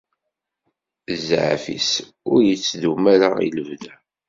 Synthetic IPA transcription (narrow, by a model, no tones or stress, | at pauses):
zːʕ̰fḭs | ʊɾjət͡sːðumæɾaḭləvðæ